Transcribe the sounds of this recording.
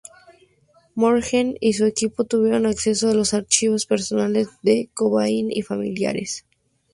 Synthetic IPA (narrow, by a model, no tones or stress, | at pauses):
moɾxenis̬ue̞kipo̞t̪uβje̞ɾo̞nakse̞soalosaɾt͡ʃiβo̞spe̞ɾso̞nale̞zðe̞koβainḭfamḭlja̰ɾes